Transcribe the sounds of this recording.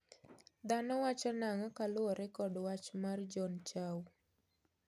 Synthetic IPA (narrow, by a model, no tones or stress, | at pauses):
d̪anɔwat͡ʃɔnaŋɔkalʊɔɾɛkɔdwat͡ʃmard͡ʒɔnt͡ʃaw